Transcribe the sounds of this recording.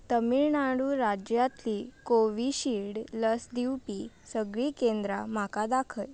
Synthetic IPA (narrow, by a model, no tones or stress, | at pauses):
t̪əmiɭnaɽuːɾad͡ʑjat̪likoʋiɕiɽləsd̪iwpisəɡɭikend̪ɾa̰m̤akad̪akʰəj